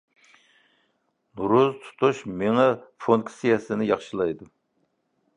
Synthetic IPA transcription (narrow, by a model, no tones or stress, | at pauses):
nuɾuzt̪ʰu̥t̪ʰuʃmeŋɛfonkʰsijɛsɪnɪjɑχʃɨlˠɑjd̪u